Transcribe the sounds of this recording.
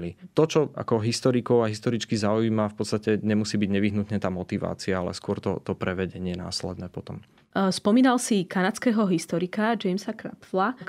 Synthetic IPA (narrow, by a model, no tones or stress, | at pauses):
lit̪ɔt͡ʃɔa̰kɔɦist̪ɔɾikɔʊaɦist̪ɔɾit͡skizauiːmafpɔt̪st̪acɛɲɛmusiːbiɟɲɛʋiɦnut̪ɲɛt̪aːmɔt̪iʋa̰ːt͡siaalɛ̰skʊɔɾt̪ɔ̰t̪ɔpɾɛʋɛɟɛɲɪɛna̰ːslɛ̰d̪nɛːpɔt̪ɔm | spɔmiːnalsikanat͡skɛːɦɔɦist̪ɔɾikad͡ʒɛjmsakɾa̰pfla